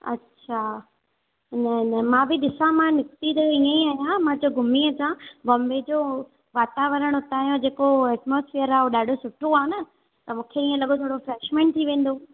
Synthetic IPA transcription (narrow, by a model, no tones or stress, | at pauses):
ɐ̰tːɕʰa | nənəmãːbɪɗɪsãmãnɪkt̪id̪ɐiẽiaːɦjãmãd͡ʑoɡʱʊmiəsãɡoːmbʱed͡ʑoː | ʋaːt̪aʋəɾəɽ̃ʊt̪aːijõd͡ʑeːkoɛːʈmoːsfijəɾaːũɗaːɖʱosʊʈʰoaːɦẽnɐ | t̪ɐmũːkʰeiẽlɐɠot̪ʰoːɽofɾeːʃmẽːɳʈ̚t̪ʰiʋẽːn̆d̪o